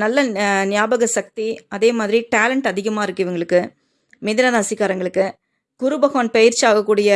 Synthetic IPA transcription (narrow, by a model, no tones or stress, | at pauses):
nɐlːɐnɪjaːbɐɣɐsɐk̚t̪iɐðeːmaːðɪɾiʈaːlɐɳʈɐðɪɣɐmaːɪɾɯkːɯʋɐŋɡɐɭɯkːɯ | mɪðɪnɐɾɐsɪkːaːɾɐŋɡɐɭɯkːɯ | kʊɾɯbɐɣɐːnpɐjɪɾt͡ʃːaːɣɐkːuːɽɪjɐ